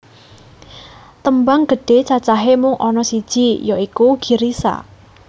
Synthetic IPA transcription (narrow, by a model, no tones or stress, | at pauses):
t̪əmbaŋɡ̥ə̤ɖ̥e̤t͡ʃat͡ʃaɦemʊŋʔɔnɔsid̥ʒ̥ijɔikuɡ̥i̤ɾisa̰